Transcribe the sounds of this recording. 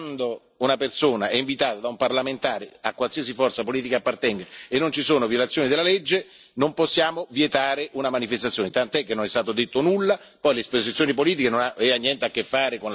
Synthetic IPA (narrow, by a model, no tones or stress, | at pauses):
nnd̪o | unapersoːnaɛiɱvit̪aːt̪ad̪aumparlament̪aːɾeakːwalsias̬ifɔrt̪sapoliːt̪ikaːpːart̪ɛŋɡaenːont͡ʃisoːnovjolat̪sjoːnid̪elalɛd͡ʒːe | nomposːjaːmovjet̪aːɾeʔunamanifest̪at̪sjoːnet̪ant̪oɛkːenːonɛst̪aːt̪od̪et̪ːonulːa | pɔjleispozit̪sjoːnipoliːt̪̬ikenonaɛanːjɛnt̪eakːefːaːɾekon